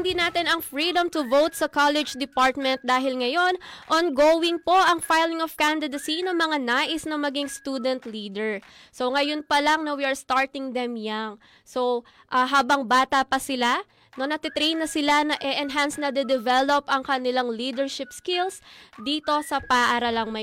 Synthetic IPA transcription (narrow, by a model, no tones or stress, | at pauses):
nd̪inaːt̪ɪnɐŋfɹid̪ɐmt̪ʊvowt̪̚sɐkalɛd͡ʒd̪ɪpaɹt̪̚mɛnt̪̚d̪aːɦɪlŋɐjo̞nʔonɡowɪŋpo̞ʔɐŋfajlɪŋɔv̥kand̪ɪd̪ɐsinɐmɐŋanaːʔɪsnɐŋmɐɡɪŋst̪uːd̪ɛnt̪liːd̪ɛɹ | so̞ŋɐjonpɐlɐŋnɐwiɐɹst̪aɹt̪ɪŋd̪ɛmjaŋ | so̞w | ʔɐɦaːbɐŋbaːt̪ɐpɐsɪla | nɐnɐt̪ɪt̪ɾejnːɐsɪlanɐʔɛʔɛnɦansnɐd̪ɛd̪ɛvɛlopʔɐŋkɐnɪlaŋliːd̪ɛɹʃɪpskɪlsd̪iːt̪o̞sɐpɐʔaːɾɐlɐŋmɐ